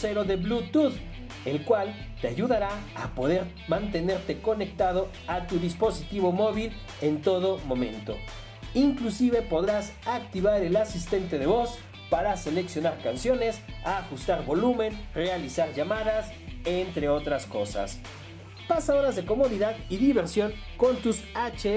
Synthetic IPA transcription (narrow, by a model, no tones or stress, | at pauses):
se̞ɾo̞ðe̞blut̪uð | e̞lkwal | t̪eaʝuðaɾaapo̞ðe̞ɾ | mãnt̪e̞ne̞ɾt̪e̞ko̞ne̞k̚t̪aðo | at̪uðispo̞sit̪iβo̞mo̞βil | e̞nt̪o̞ðo̞mõ̞mẽ̞nt̪o̞̰ | iŋklusiβe̞po̞ðɾas | ak̚t̪iβaɾe̞lasist̪e̞nt̪e̞ðe̞βo̞s | paɾase̞le̞ksjo̞naɾkansjo̞ne̞saxust̪aɾβo̞lumẽ̞nrealisaɾʝamaðas | e̞nt̪ɾe̞o̞t̪ɾasko̞sa̰s | pasaoɾazðe̞ko̞mo̞ðiðaðiðiβe̞ɾsjo̞ŋ | ko̞nt̪usat͡ʃe